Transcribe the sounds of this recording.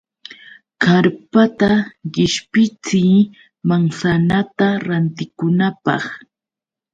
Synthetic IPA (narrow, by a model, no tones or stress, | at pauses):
kaɾpat̪aɢɪʃpɪt͡siː | maŋsanat̪aɾant̪ɪkʊnapɑ̰χ